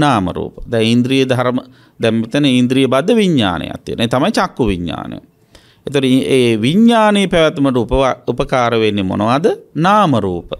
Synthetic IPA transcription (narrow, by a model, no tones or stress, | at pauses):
naːmə̰ɾṵːpəd̪ɛŋind̪ɾijəd̪ʱɐɾəmə | d̪ɛmmit̪ɐnəind̪ɾijəbad̪ːəʋiɲːa̰ːnʔə̰ja̰t̪ːiːənet̪amajt͡ʃakːuʋiɲːa̰ːnə̰j | et̪oʈeːʋiɲːaːnejpɛʋɛt̪məʈupəupəkaːɾəʋenːemo̰noʋad̪ənaːməɾuːpə